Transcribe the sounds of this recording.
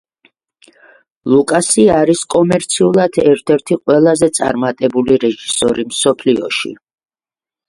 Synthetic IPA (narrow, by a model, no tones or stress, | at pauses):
lˠukʼasiaːɾiskʼɔmɛɾt̪sʰiulˠad̪ʰɛɾt̪ʰɛɾt̪ʰiqʼwɛlˠazɛt̪sʼa̰ɾmat̪ʼɛbuliɾɛʒisɔɾimsɔpʰliɔ̰ʃḭ